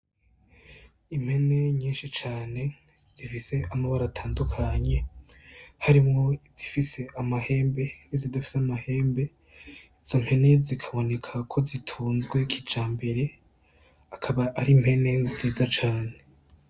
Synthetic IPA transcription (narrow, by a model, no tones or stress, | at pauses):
im̥he̞ne̞ɲiːnʃit͡ʃaːne̞ | z̥ifise̞ʔamaβaɾaːtʰaːndukʰaɲe̞ | haɾimŋo̞iz̥ifise̞ʔamahe̞ːmbe̞nizodafi̥seamahe̞ːmbe̞ | iz̥o̞m̥he̞ne̞zikʰaβo̞ne̞kʰakʰo̞zitʰuːnzɡwe̞kʰid͡ʒaːmbe̞ɾe̞ | akʰaβaʔaɾim̥he̞ne̞ziːzat͡ʃaːne̞